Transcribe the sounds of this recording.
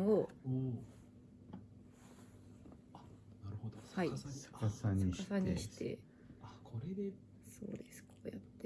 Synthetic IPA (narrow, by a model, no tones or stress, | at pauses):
ŋɡoo | anaɾɯ̟hod̪ohai̥kasaɲ̟ʲikḁsãɲ̟ːɕi̥t̪e̞̰ | akʰoɾed̪e | so̞̰ːd̪e̞sɨ̥kʰoːjat̪ːe